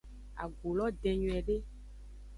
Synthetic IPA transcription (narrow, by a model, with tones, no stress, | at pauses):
a̰˨ɡo˨lɔ˦ɖɛ˨ɲũ˨ɛ˨ɖe˦